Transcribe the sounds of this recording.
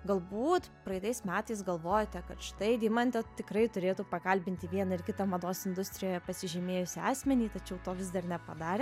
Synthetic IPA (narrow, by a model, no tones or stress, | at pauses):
ɡɐlˠbuːt̪pɾɐɪt̪ɐɪsmʲæːt̪ɐɪsɡɐlˠʋoːjot̪ʲɛkɐt̪ʃɪ̥t̪ɐɪd̪ʲiːmɐnʲt̪ʲɛt̪ʲɪkrɐɪt̪ʊɾʲeːt̪uːpɐkɐlʲbʲɪnʲt̪ʲɪʋʲiɛnɐɪrkʲɪt̪ɐmɐd̪oːsɪnd̪ʊsʲt̪ʲɾʲɪjoːjɛpɐsʲɪʒʲɛmʲeːjʊsʲiɑːsʲmʲɛnʲiːt̪ɐt͡ʃʲɛʊt̪oːʋʲɪzd̪ɐrnʲɛpɐd̪ɑːɾʲɛ